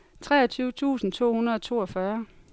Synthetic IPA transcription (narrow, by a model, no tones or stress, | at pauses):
t͡sʰʁɛ̰ːɐt͡sʰyːʊət͡sʰṵːsn̩t͡sʰo̝̰ːhunɐð̞ˠɒt͡sʰo̝̰ːɒfɶɐ